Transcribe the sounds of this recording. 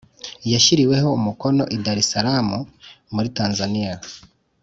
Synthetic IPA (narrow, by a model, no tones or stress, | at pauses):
jaʃiɾiwe̞ho̞umuko̞no̞ʔidaɾisaɾamu | muɾitaːnzanija